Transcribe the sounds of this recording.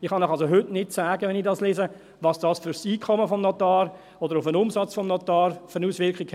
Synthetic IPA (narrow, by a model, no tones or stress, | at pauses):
ɪχhɑnɔχɑls̬oɦʏtnɪtsaːɡəʋɛnidɑsleːsə | vɑːsd̥ɑːsfyɾsiːkʰɔməfɔmnɔtɑːr | ɔdəɾʊfənʊmsɑt͡sfɔmnɔtɑːɾfəɾənuːsʋɪɾkikh